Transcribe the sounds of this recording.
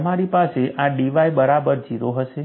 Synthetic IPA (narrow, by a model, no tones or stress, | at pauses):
maɾipaseʔaɖiʋajbəɾabəɾd͡ʒiɾoɦəʃe